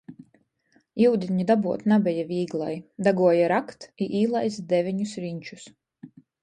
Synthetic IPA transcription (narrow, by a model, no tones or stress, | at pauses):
iwd̪ʲiɲud̪abuɔt̪nabʲɛjavʲiːɡlˠa̰jd̪aɡuɔjaɾakt̪iʔiːlˠajzd̪ɛvʲiɲusɾiɲʲt͡ʃu̥s